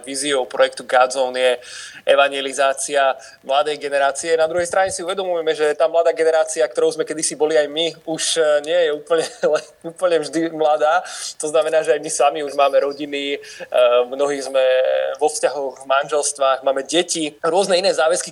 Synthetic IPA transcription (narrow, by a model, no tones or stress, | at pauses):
ʋiːziɔʊpɾɔjɛkt̪uɡazɔnjɛɛʋaɲɪɛlizaːt͡sia | mlad̪ɛjɡɛnɛɾaːt͡siɛnad̪ɾuɦɛjst̪ɾaɲɛsiuʋɛd̪ɔmujɛmɛʒɛt̪aːmlad̪aːɡɛnɛɾaːt͡siak̚t̪ɔɾɔʊzmɛkɛd̪isibɔliajmiuʃɲɪɛjɛuːpl̩ɲɛlɛnuːpl̩ɲɛvʒd̪imlad̪aːt̪ɔznamɛnaːʒɛajmisamiuʒmaːmɛɾɔɟini | mnɔɦiːzmɛʋɔfscaɦɔɣvmanʒɛlst̪ʋaːɣmaːmɛɟɛciɾʊɔznɛinɛːzaːʋɛski